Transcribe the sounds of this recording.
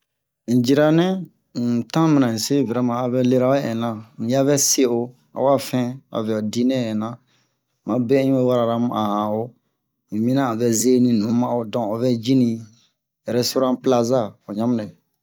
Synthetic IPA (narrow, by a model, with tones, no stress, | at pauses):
d͡ʒi˨ɾa˦nɛ̃˦˨ | tã˦mĩ˨nã˨ĩ˨se˦vɛ˨ɾa˦mãː˨βɛ˦le˦ɾa˦ɛ˦ɛ̰̃˨nã˨ñ̩˨ja˦vɛ˦se˦o˨ | a̰˨wa˦fɛ̃˦a̰˨vɛ˨ɔ˨di˦nɛ̃˦˨ɛ̃˨nã˨ | mã˨bɛ˦ɲĩ˦e˦wa˦ɾa˨ɾa˦m˦a˨hã˨o˦ | ĩ˨mĩ˦nã˦˨vɛ˨ze˦nĩ˨nũ˨˦mã˦o˨dɔ̃˨o˨vɛ˦d͡ʒi˦nĩ˨ | jɛ˨ɾɛ˦so˦ɾã˦pla˦za˦˨o˨ɲã˦mĩ˦nã˨